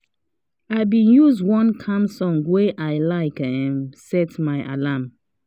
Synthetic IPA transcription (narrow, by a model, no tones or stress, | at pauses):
aɪbĩnjuzwɔ̃nkʰãmsɔ̃ŋɡweʔaɪlaɪkɛ̃nsɛtmaɪʔa̰lam